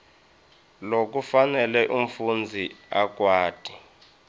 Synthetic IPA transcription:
lok̬ʼufanɛlɛʔum̩fund͡zʱiak̬ʼwaːd̥ʱi

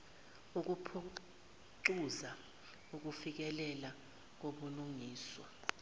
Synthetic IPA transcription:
uk̬upʰu | ǀuza | uk̬ufik̬ɛlɛla | k̬oɓuluŋiːswɔ̰

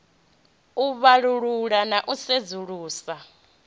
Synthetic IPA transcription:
uβaɺuɺuɺanaʔused͡zuɺuːsa

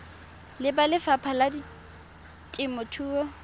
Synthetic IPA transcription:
lɪbalɪfapʰaladi | tʼɪmɔtʰuːɔ

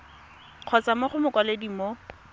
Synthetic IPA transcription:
q͡χʰɔt͡samaχʊmʊkʼwalediːmo

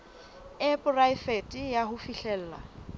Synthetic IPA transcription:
ɪpʊraɪfetʼijahʊfiɬɛl̩ːla̰

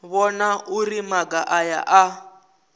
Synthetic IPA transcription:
βɔnaʔurimaɡaʔaja̰ʔa

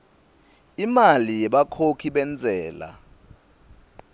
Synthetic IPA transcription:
imalijɛɓakʰokʰiɓɛnd͡zʱɛːla̰

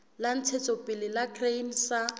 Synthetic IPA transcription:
lan̩t͡sʰet͡sʼɔpʼɪlɪlakʰrejn̩sa

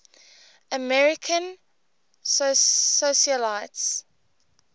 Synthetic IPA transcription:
ʔəmɛɹɪkʰə̃n | ssoʃəlaɪts

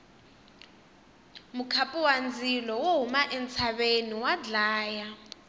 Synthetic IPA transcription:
mukʰapʼuwand͡zʱilɔwoɦumaʔɛnt͡sʰaɓeniwad͡ɮaːja

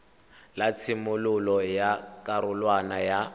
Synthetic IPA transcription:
lat͡sʰɪmʊlʊlɔjakʼaɾʊlwanaja

